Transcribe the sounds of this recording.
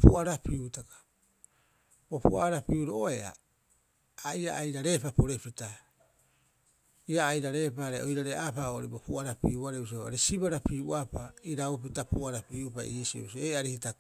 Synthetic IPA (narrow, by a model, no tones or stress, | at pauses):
puaɾapiutakḁ | b̥o̞puaɾapiuɾoʔoe̞a̰ | ia̰ʔajɾaɾe̞papo̞ɾe̞pita | iaːjɾaɾe̞ːpaɾeojɾaɾeʔapaoɾibopuaɾapiuaɾeus̬oa̰ɾesibaɾapiuʔapaiɾaupitapuaɾapiupa̰ḭesio̰usoeaɾihitak